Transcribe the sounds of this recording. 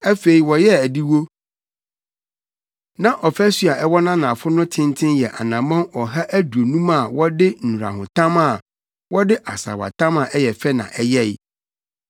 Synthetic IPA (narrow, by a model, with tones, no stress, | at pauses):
æ˦fe˨i˨wɔ˨jɛ˦æ˨di˦wo˦ | nã˨ʔɔ˨fæ˦sɥa˨ɛ˦wɔ˦nã˦nã˨fʊ˦nʊ̃˦tʰɪ̃˦n˦tʰɪ̃˦njɛ˨ʔa̰˨nã˨mã˦nɔ˨ɦa˦ʔæ˦du˨o˨nũ˦ma˦˨wɔ˦dɪ˦n̩˨ũ˨ɾa̰˨ɦʊ̃˨tʰã˦ma˦˨ | wɔ˦dɪ˦ʔa˨sa̰˨wa̰˨tʰã˦mã˨ʔɛ˦jɛ˨fɛ˦nã̰˨ʔɛ˦jɛ˦